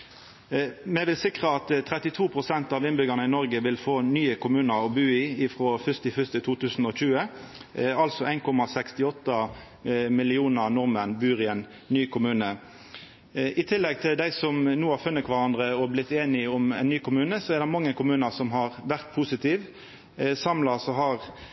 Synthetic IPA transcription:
mɛʋɪlsɪkʁəɑt̪t̪ʰːʁɛt̪ɪt̪ʰuːpʰʁʊsɛnt̪ɑʋɪnbʏɡənəɪnɔʁɡəʋɪlfoːnyːəkʰʊmʉːnəɾɔbʉːɪɪfʁɔfʏst̪ɪfʏst̪ət̪ʰuːt̪ʰʉːsn̩ɔçʉːə | ɑlsɔæɪnkʰɔmɑsɛkst̪ɪɔt̪ːə | mɪlɪuːnəʁnɔʁmənbyːʁɪɛn | nːyːkʰʊmʉːnə | ʔɪt̪ʰɪlːɛɡ̚t̪ʰɪld̪æɪsɔmnuːhɑɾfʉnːək̪ʰʋɑɾɑnd̪ʁəɔblɪt̪ːeːnɪɔmɛ̰ɪnːyːkʰʊmʉːnəsɔɛʁd̪ɛmɑŋːəkʰʊmʉːnəsɔmɦɑʁʋæʁt̪̚pʰusɪt̪ʰiːʋ | sɑmlɑsɔɦɑʁ

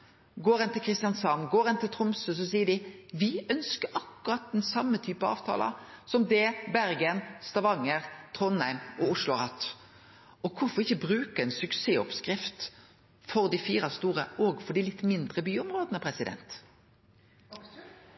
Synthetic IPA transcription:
ɡoːɾɛnt̪ɪlkʰɾɪst̪ɪjɑnsɑmɡoːɾɛnt̪ʰɪlt̪ʰɾʊmsʉs̬ɔs̬iːəɖɪʋɪœnskəɾʔɑkːʉɾɑt̪̚d̪ɛnsɑmːət̪ʰyːpəɑ̰ːʋt̪ʰɑ̰ːlɑ̰sɔmd̪ɛbæɾɡənst̪ɑʋɑŋːəʁt̪ʰʁɔnhæɪmɔʊʂlʊhɑt̪ː | ɔkʰʊfɔʁɪçːəbɾʉːkəɛnsʉkseːɔpskʁɪft̪ | fɔʁd̪ɪfiːɾɑst̪uːʁəɔːɡfɔɖ̪ɪlɪt̪ːmɪnd̪ʁəbyːɔmʁoːd̪ənəpʰɾɛsɪd̪ɛ̰nt̪

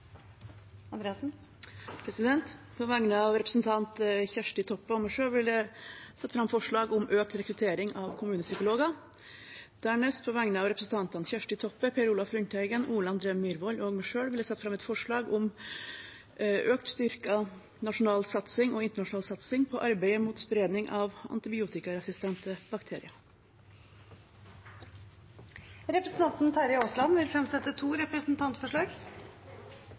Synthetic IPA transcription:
nd̪ɾeːs̩ | pʰɾɛsɪd̪ɛnt̪ | pʰɔʋæŋːnəɑʋɾɛpɾəsn̩t̪ʰɑnt̪çæʂʈɪt̪ʰɔpːəɔmæʂøːɽʋɪlæsɛt̪ːəfɾɑmfɔʂɭɑːɡʊmʔøːk̚t̪ɾɛkɾʉt̪ʰeːɾɪŋʔɑʋkʰʊmʉːnəsʏkʊloːɡɑ | d̪̥æːɳɛst̪pʰɔʋæŋnəɑʋɾɛpɾəsn̩t̪ɑnt̪ɑnçæʂʈɪt̪ʰɔpːəpʰeɾuːlɑfɾʏnt̪æɪɡənuːlɑɑnd̪ɾeːmyːɾʋɔlɔɡmæʂøːɽʋɪljæsɛt̪ːəfɾɑmɛt̪fɔʂɭɑːɡʊm | ʔøːkt̪st̪ʏɾkɑ | nɑʂʊnɑːlsɑt̪sɪŋɔːɪnt̪əɳɑʂʊnɑːlsɑt̪sɪŋpʰɔʔɑɾbæɪəmuːt̪spɾeːd̪nɪŋʔɑʋɑ̰nt̪ɪbɪuːt̪ɪkɑɾɛsɪst̪ʰɛnt̪əbɑkt̪ʰeːɾɪɑ | ɾɛpɾəsn̩t̪ʰɑnt̪n̩t̪ʰæɾɪoːslɑnʋɪlfɾɛmsɛt̪ːət̪ʰuːɾɛpɾəsn̩t̪ʰɑnt̪fɔʂɭɑːɡ

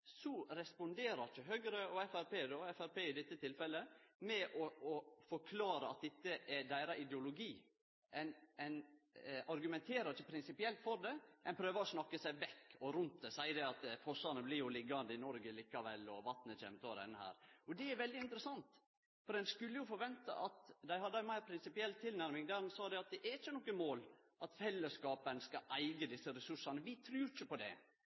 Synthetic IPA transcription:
sɔɾɛspɔnd̪eːɾɑɾçəɦøːɡɾəɔɛfæɾpeːd̪oɛfæɾpeːɪd̪ɪt̪ːət̪ʰɪlfɛlːəmɛʔɔɔfɔɾkʰlɑːɾəɑt̪̚d̪ɛt̪ːəʔɛd̪æɪɾɑʔɪd̪ɛʊlʊɡiː | ʔɛnɛɪnɑɾɡʉmɛnt̪ʰeːɾɑɾçəpʰɾɪnsɪpɪɛlt̪fɔɾd̪ɛʔɛɪnpʰɾøːʋəɔsnɑkːəsæɪʋɛkːɔɾʉnt̪̚d̪ɛsæɪd̪ɛɑt̪fɔʂɑnəblɪɾjʊlɪɡːɑnd̪əɪnɔɾɡəliːkɑʋɛlːɔʋɑt̪nət͡ʃɛ̰ːmət̪ʰoːɾɛ̰nːəhæ̰ːɾɔd̪ɛæɾʋɛld̪ɪɪnt̪ɾəsɑnt̪ | fɔɾɛnskʉlːəjʊfɔɾʋɛnt̪ɑ̰ʔɑt̪d̪æɪhɑd̪ːəæɪmæɪɾpʰɾɪnsɪpɪɛlt̪ʰːɪlnæɾmɪŋd̪æɾɛnsɑːd̪ɛɑt̪̚d̪ɛʔæɾɪçːənɔkːəmoːlʔɑt̪fɛlːəskɑːpənskɑʔæɪɡəd̪ɪsːəɾɛsʉʂɑnəʋɪt̪ʰɾʉːɾɪçəpɔd̪ɛ̰

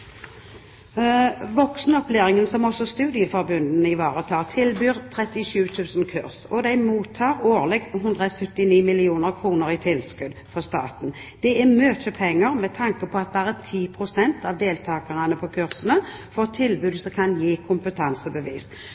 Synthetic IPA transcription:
ʋɔksnɔpleːʁɪŋənsɔmɔsɔst̪ʉːd̪ɪəfɔʁbʉnd̪n̩ɪʋɑːʁət̪ʰɑːʁt̪ʰɪlbyːʁt̪ʰʁɛt̪ɪʃʉːt̪ʰʉːsn̩kʰʉʁsɔd̪æɪmuːt̪ʰːɑːʁoːʁlɛɡɦʉnd̪ʁɑsœt̪ːɪniːmɪlɪuːnəʁkʰʁuːnəɾɪt̪ʰɪlskʉd̪fɔʁst̪ɑ̰ːt̪n̩ | d̪̥ɛæmøːt̪əpʰɛŋːəʁmɛt̪ʰɑŋkəpʰɔɑt̪̚bæʁət̪ʰiːpʰʁʊsɛnt̪ɑʋd̪eːlt̪ʰɑːkəʁɑnəpʰɔkʰʉʁsənə | fɔt̪ʰɪlbʉːd̪sɔkʰɑnjiːkʰʊmpət̪ʰɑnsəbəʋiːs

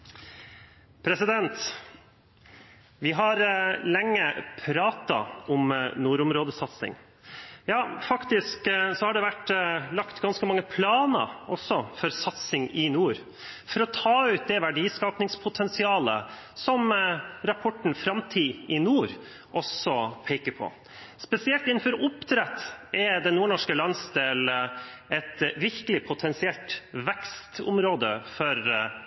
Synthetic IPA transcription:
pʰɾɛsɪd̪ɛnt̪ | ʋɪɦɑɾlɛŋːəpʰɾɑːt̪ɑ̰ʊmnuːɾʊmɾoːd̪əsɑt̪sɪ̰ŋ | jɑːfɑkt̪ɪsksɔhɑɖɛʋæʈlɑkt̪ɡɑnskəmɑŋːəpʰlɑːnə̰ʔɔsɔfɔɾsɑt̪sɪŋɪnuːɾ | fɔɾɔt̪ʰɑːʉːt̪̚d̪ɛʋæɖiːskɑːpnɪŋspʰʊt̪ʰɛnsɪɑːlə̰ | sɔmɾɑpʰɔʈɳ̩fɾɑmt̪ʰiːɪnuːɾ | ʔɔsɔpʰeɪkəɾpʰɔ̰ | spɛsɪɛlt̪ɪnːn̩fɔɾʊpt̪ʰɾɛt̪ːɛd̪ɛnːuːɳɔʂkəlɑnsd̪eːlɛt̪ʋɪɾkəlɪpʰʊt̪ʰɛnsɪɛlt̪ʋɛkst̪ʊ̰mɾoːd̪əfɔɾ

